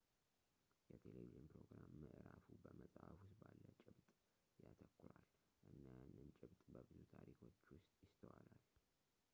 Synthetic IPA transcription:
jɛt̪ʰeleviʒɨnpɾoɡɾamːəʔɨɾafubəməsʼafʊst̪balːət͡ʃʼɪβt̪ʼ | jat̪ʰəkːʊɾal | ʔɨnːajanːɨnt͡ʃʼɪβt̪ʼbəbɨzut̪ʰaɾikʰo̞t͡ʃːwʊst̪ʼjɪst̪ʰəwalal

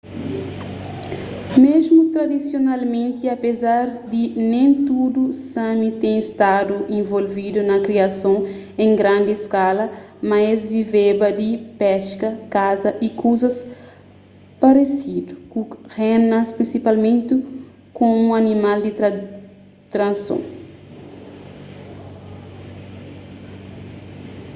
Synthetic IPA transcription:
mezmut̪ɾad̪isjonalmẽnt̪iapezaɾd̪inẽj̃t̪ud̪usɐ̃mit̪ẽest̪ad̪uʔẽvolvid̪unɐkɾiasõ | ẽŋɡɾãnd̪ieskalɐ | majzvivebɐd̪ipɛʃkɐkazɐʔikuzɐs | paɾesid̪ukuhenaspɾĩnsipalmẽnt̪i | kõũɐnimald̪i | t̪ɾɐ̃nsõ̰

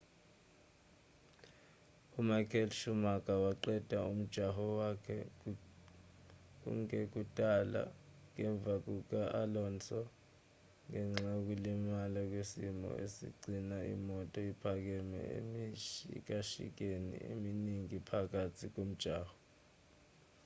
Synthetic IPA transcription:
umakʰʼɛlʃumak̬ʼawaǃɛd̥ʱaum̩d̥ʒ̥ʱaɦɔwakʰɛ | k̬ṵŋɛk̬utʼala̰ŋɛɱb̪vʱak̬uk̬aʔalɔnt͡sʰɔ | ŋɛŋ͡ǁak̬ulimalak̬wesimɔ̰ʔesḭɡ͡ǀinaḭmɔtʼɔipʰak̬ɛmɛ̰ḛiḭk̬ʼaʃḭk̬enḭḛminiŋipʰak̬atʰik̬om̩d̥ʒ̥ʱaːhɔ

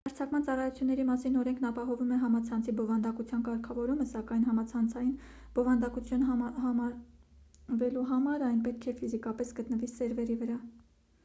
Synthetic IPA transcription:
əɾt͡sʰɑkmɑnt͡sɑrɑjut͡sʰjunːɛɾimɑsinɔɾɛŋkʰnɑpɑɦɔvumɛɦɑmɑt͡sʰɑnt͡sʰibɔvɑnd̪ɑkut͡sʰjɑnkɑɾkʰɑvɔɾuməsɑkɑjnɦɑmɑt͡sʰɑnt͡sʰɑjinb̥ɔvɑnd̪ɑkut͡sʰjunɦɑmɑɾ | vɛluɦɑmɑɾɑjnpɛt̪̚kʰɛfizikɑpɛsɡət̪nəvisɛɾvɛɾivəɾɑ

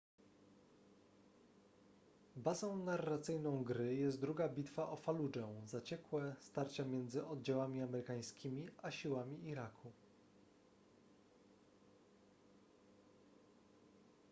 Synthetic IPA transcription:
bazɔ̃w̃narːat̪sɘjnɔ̃w̃ɡɾɘjɛst̪̚d̪ɾuɡabʲit̪faʔɔfalud͡ʐɛzat͡ɕɛkwɛst̪aɾt͡ɕamʲjɛnd̪zɘʔɔd̪̚d͡ʑawamʲiamɛɾɘkaj̃skʲimʲiʔaɕiwamʲiːɾakʰu

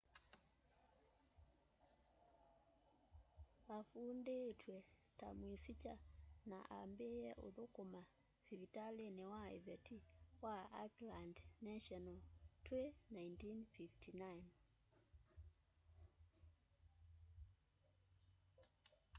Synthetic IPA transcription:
βafundetwɛ | ta̰mwisit͡ʃana̰ʔa̰mbeɛʔo̰ðokoma | siɾitalenɛwaɛ̰vɛtiwaa̰klandnaʃɔnatwenaintinfiftinajn

